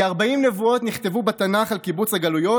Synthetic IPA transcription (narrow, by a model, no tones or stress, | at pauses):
aʁbaimne̞vuo̞t̪niχt̪e̞vubet̪anaχalkibut͡saɡalujo̞